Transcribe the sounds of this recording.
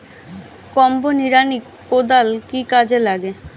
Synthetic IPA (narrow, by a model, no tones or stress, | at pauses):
kɔmboniɾani | kod̪alkikad͡ʑelaɡe